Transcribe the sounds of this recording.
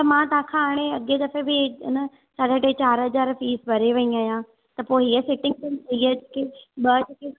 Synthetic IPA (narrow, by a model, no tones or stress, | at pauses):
t̪ɐmãːt̪ɐãːkʰãaːɽ̃eɐɡed̪ɐfebɪnɐ | saɽəʈẽt͡ɕaːɾɦɐzaːɾfiːsbʱɐɾeʋɐĩaːɦjã | t̪ɐpoːɦiəsɪʈɪ̃ŋɡ̚tenɦiəekeɓɐd͡ʑeke